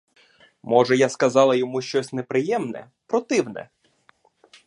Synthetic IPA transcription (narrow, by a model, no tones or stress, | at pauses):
mɔʒɛjaskɐzɑlˠɐjɔmuʃt͡ʃɔsʲnɛpɾɪjɛmnɛ̰ | pɾɔt̪ɪwnɛ̰